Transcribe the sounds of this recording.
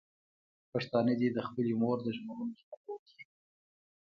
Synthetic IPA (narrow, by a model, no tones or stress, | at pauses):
paʂt̪ɑnəd̪id̪əxpəlimoɾd̪əʒməɾunopakawəkʰi̥